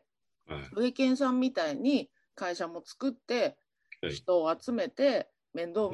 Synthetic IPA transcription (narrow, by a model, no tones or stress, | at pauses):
ɾɯ̟ekẽ̞ɰ̃s̬ãmːʲit̪aiɲ̟i | kaiɕamo̞t͡sɨ̥kɯ̟t̪ːe̞ | çi̥t̪o̞ːat͡sɨme̞t̪e̞ | mẽ̞nd̪o̞ːm